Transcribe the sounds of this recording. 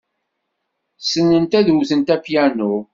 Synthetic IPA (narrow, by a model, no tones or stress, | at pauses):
sənːənt̪æðuwθənt̪æpjænʊ